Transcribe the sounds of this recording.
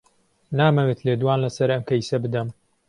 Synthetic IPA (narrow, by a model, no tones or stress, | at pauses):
naːmɐwet̪leːd̪uwaːnlɐsɐɾɐmkʰɐjsɐbɨd̪ɐm